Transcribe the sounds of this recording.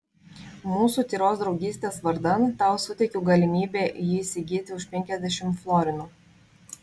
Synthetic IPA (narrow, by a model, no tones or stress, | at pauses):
muːsuːt̪ʲiːɾoːs̬d̪ɾɒʊɡʲiːsʲt̪ʲeːsʋɐɾd̪ɐnt̪ɑˑʊsʊt̪ʲɛɪkʲuɡɐlʲɪmʲiːbʲeːʔjiɪsʲɪɡʲiːt̪ʲɪʊʃʲpʲɛŋʲkʲɛzʲd̪ʲɛʃʲɪmflˠɔɾʲɪnuː